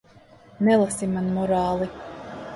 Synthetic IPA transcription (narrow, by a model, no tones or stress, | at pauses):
nɛlˠasimːanmɔɾaːlˠi